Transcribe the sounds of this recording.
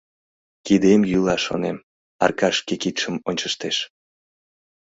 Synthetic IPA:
kid̪emjylˠɑʃo̰nem | ɑ̰rkɑʃkekit̪ʃəmonʲt͡ɕəʃt̪eʃ

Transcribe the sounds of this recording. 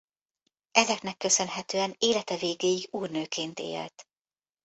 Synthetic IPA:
ɛzɛknɛkːø̞sø̞nɦɛt̪øːɛneːlɛt̪ɛveːɡeːjiɡuːrnøːkʰeːnt̪ḛːlt̪

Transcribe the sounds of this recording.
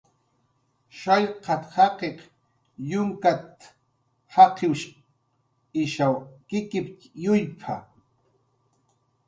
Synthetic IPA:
ʃaʎqʰɑt̪hɑqeq | jʊŋkat̪ | hɑqʰɪwʃ | ɪʃawkɪkɪpjʊjpʰa

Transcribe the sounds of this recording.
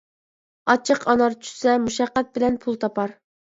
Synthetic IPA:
ɑt͡ʃʰəqʰɑnɑɾt͡ʃʰy̥sɛmuʃɑqːɛt̪̚bɪlɛnpʰulˠt̪ʰɑpɑɾ

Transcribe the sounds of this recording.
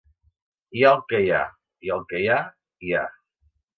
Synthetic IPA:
jalkeja | jalkeja | ia

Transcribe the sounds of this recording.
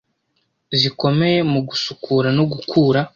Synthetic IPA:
ziko̞me̞jemuɡusukʰuːɾanoɡukʰuːɾa

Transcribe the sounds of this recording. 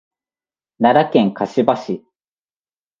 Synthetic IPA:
naɾakẽ̞ŋkaɕibaɕi

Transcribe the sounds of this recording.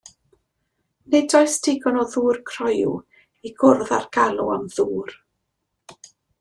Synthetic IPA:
nedɔjstʰɪɡɔnɔðuːrkʰrɔjṵ | iɡʊrða̰rɡ̥alˠuamðuːr

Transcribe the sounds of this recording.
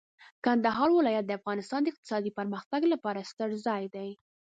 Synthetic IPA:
kand̪aɦɑɾwɪlɑjat̪̚d̪əafɣɑnɪst̪ɑnd̪əɪq̚t̪ɪ̥sɑd̪ipəɾməxt̪aɡlapɑɾast̪əɾzɑjd̪aj

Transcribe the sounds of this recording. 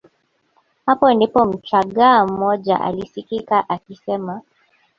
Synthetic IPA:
hapɔnipɔm̩t͡ʃaɠaːm̩ɔʄa̰ʔa̰lisikikaʔakisɛma

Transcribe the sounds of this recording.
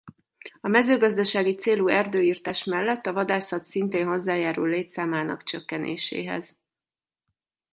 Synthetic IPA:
ɒmɛzøːɡɒzd̪ɒʃaːɡit̪seːluɛrd̪øːiːrt̪aːʃmɛlːɛt̪ːɒvɒd̪aːsɒt̪sint̪eːnɦo̞zːaːjaːɾṵlleːt̪saːmaːnɒ̰kt͡ʃøkːɛnʔḛːʃḛːɦɛ̰z̥

